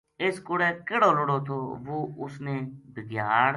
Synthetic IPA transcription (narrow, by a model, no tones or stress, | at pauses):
ɪskʊɽɛːkɪɽoːlʊɽoːt̪ʰoːʋoːʊsneːbʱɪɡjaːɽ